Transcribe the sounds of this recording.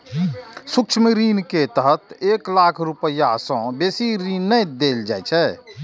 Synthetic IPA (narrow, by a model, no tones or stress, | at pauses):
sʊkt͡ʃʰməɾiːnket̪əɦət̪eːklaːkʰɾʊpəjasɔ̃beːsiɾiːnːəjd̪eːld͡ʒaːɛt͡ʃʰɛː